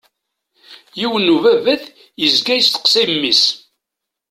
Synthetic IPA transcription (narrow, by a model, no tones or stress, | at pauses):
jiwənːuvævæθ | jəzɡæjəst̪ə̥qsimmːis